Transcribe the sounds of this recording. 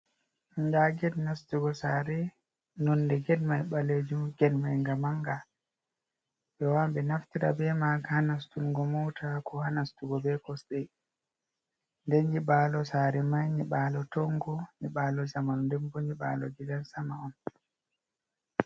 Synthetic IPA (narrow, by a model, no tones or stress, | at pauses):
ŋɡaɡɛdnastuɡɔsaːɾɛ | nɔndɛɡɛdmajɓaled͡ʒumɡɛdmajŋɡamaŋɡa | ɓɛwambɛnaftiɾa̰bɛmaɡahanastulɡɔmɔtʰakʰɔhanastuɡɔbɛkɔsɗɛ | ndɛnd͡ʒibaːlɔsaɾɛmajniɓaːlɔtɔŋɡɔniɓaːlɔzamanndɛmboɲiɓa̰ːlɔ̰d͡ʒiɡansamaɔn